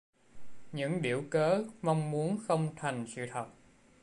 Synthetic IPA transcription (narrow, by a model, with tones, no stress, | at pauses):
ɲɨ̰˧˥ŋɗḭ˧˩əwkəː˨˦ma˧wŋ͡mmu˨˦ənxə˧wŋ͡mt̪ʰa˨˩jŋ̟sɨ̰˧˨t̪ʰə˨˩t̚